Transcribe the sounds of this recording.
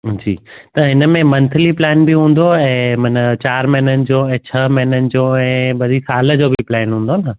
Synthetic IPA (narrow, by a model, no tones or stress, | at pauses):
d͡ʑḭːt̪ɐɦɪnəmẽmɐ̃nt̪ʰəliplɛːnbɪɦũːn̆d̪oɛ̃ːmɐnt͡ɕaːɾmɐɦɪnənɪ̆d͡ʑoɛ̃ːt͡ɕʰɐmɐɦɪnənɪ̆d͡ʑoɛ̃ːɓɐd̪ʱisaːlə̆d͡ʑoːbɪplɛːnɦũːnd̪onə